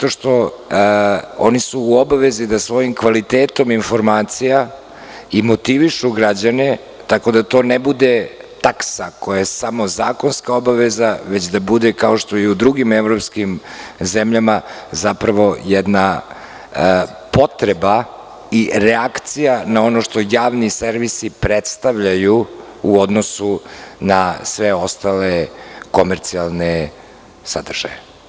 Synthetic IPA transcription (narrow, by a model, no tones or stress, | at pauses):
at̪oʃt̪o̞ | o̰nisuːobaʋe̞zid̪asʋo̞jimkʋalit̪eːt̪o̞minfo̞ɾmaːt̪sija | imot̪iʋiʃuɡɾad͡ʑane | t̪ako̞d̪at̪o̞ːnebud̪et̪aksako̞jasamo̞zaːko̞nskao̞baʋezaʋet͡ɕd̪abud̪ɛkao̞ʃt̪o̞jɛud̪ɾuɡimeʋɾo̞pskimzemʎamazapɾaʋo̞jɛd̪na | po̞t̪ɾeba | iɾɛakt̪sijanao̞noʃt̪o̞jaːʋniseɾʋisipɾet̪st̪aʋʎajuː | od̪nosunasʋeo̞st̪aleko̞meɾt̪sialˠne | sad̪r̩ʒ̥a̰je